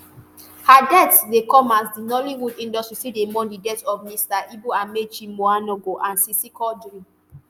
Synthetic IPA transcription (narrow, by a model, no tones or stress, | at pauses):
hadɛtsdekɔmasdinɔliwudĩndɔstɹisidemɔ̃ndidɛtɔvmistaibuãmet͡ʃimoanɔɡoʔãnsisikʰɔdɾĩ